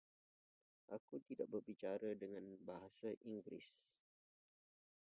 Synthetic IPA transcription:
ʔakut̪idaʔ̚bərbit͡ʃaɾadəŋãnbaɦasaʔiŋɡɾɪ̰s

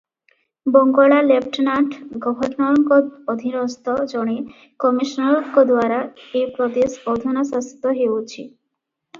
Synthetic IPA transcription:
bɔŋɡɔɭalepʰʈnaʈʰɡɔbʱɔɾnɔɾɔŋkɔːd̪ʱinɔst̪ɔd͡ʒɔɽ̃i | kɔmiʃnɔɾɔŋkɔd̪waɾaepɾɔd̪esɔd̪ʱɔnɔsasit̪ɔɦewt͡ʃʰi

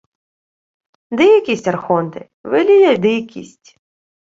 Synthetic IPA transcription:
d̪ɛjɐkʲisʲtʲɐrxɔnt̪ɪ̰ | ʋɪlʲijɛd̪ɪjkʲḭsʲtʲ

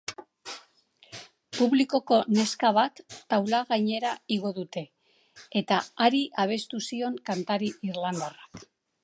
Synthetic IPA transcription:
puβliko̞ko̞ne̞skaβat̪ːawlaɣajɲe̞ɾaiɣo̞ðut̪e̞ː | t̪aaɾiʔaβ̞e̞st̪usio̞ŋkant̪aɾiiɾland̪arak

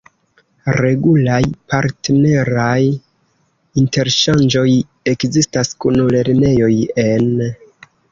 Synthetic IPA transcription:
ɾe̞ɡulajpaɾtne̞ɾaj | inte̞ɾʃand͡ʒo̞j | e̞kzistaskunle̞ɾne̞jo̞je̞n

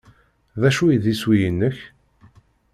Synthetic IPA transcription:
ðæʃujiðiswijənːəç

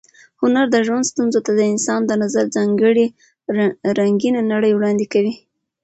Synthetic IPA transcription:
hʊnaɾd̪əʒwand̪st̪unzot̪ad̪əɪnsɑnd̪ənazaɾd͡zɑŋɡəɽi | ɾaŋɡinanaɽəjwɽɑnd̪ɪkawi

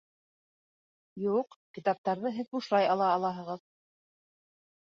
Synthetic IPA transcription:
juqkit̪ɑp̚t̪ɑɾðɤɦɘðbuʃlˠɑjɑlˠɑːlˠɑɦɤ̆ʁɤð

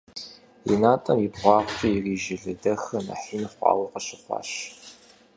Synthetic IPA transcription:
ḭnaːtʼɐmjibʁʷɑːʁʷɕʼijːriːʒɪɮɨdɐxɐnɐ̰ħiːniχʷɑ̰ːwiqɐɕɪχʷɑ̰ːɕ

